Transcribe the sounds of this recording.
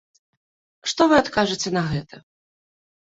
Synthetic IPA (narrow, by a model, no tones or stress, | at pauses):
ʂt̪ɔvɨat̪kaʐɨt͡sʲɛnɐɣɛt̪ʰɐ